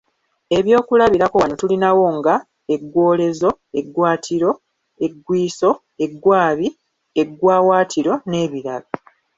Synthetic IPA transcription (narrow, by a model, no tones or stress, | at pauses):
e̞βjo̞ːkulaβiɾako̞wano̞tulinawo̞ŋɡa | e̞ɡwo̞ːle̞zo̞ | e̞ɡwaːtʰiɾo̞ | eɡwiːso̞ | e̞ɡwaːβi | e̞ɡwaːwaːtʰiɾo̞ne̞ːβiɾaβa